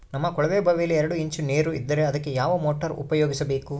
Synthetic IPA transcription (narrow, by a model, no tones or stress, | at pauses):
nɐmːɐkɔɭɐʋeːbʱɐʋejɐlːiɛɾɐɽuiɲt͡ʃuneːɾuid̪ːɐɾeɐd̪ɐkːejaːʋɐmoːʈɐɾṵpɐjoːɡisɐbe̞ːku